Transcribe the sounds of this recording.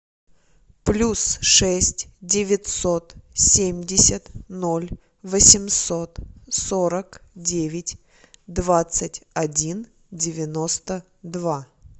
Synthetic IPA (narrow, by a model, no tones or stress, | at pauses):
plʲusʂɛsʲtʲdʲɪvʲɪt̪so̞t̪sʲemʲdʲɪsʲət̪nolʲ | vəsʲɪmso̞t̪soɾəkdʲevʲɪtʲ | d̪vat̪sɨtʲɐdʲin | dʲɪvʲɪnost̪ə | d̪va